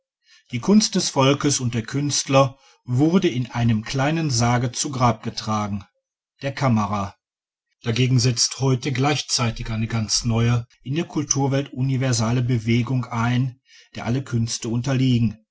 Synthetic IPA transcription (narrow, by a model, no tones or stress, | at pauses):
d̥iːkʰʊnst̚d̥ɛsfɔlkəsʊnt̚d̥eːɐkʰʏnstlɐ | vʊʁdəɪnʔaɪnəmkʰl̥aɪnənzaːɡət͡suɡʁaːp̚ɡ̥ətʁ̥aːɡŋ̩ | d̥eːɐkʰaməʁa | d̥aɡeːɡŋ̩zɛt͡sthɔʏtəɡlaɪçt͡saɪtɪçʔaɪnəɡant͡snɔʏəʔɪndeːɐkʰʊltʰuːɐvɛltʔʊnivɛɐzaːləbəveːɡʊŋaɪn | d̥eːɐʔaləkʰʏnstəʊntɐliːɡŋ̩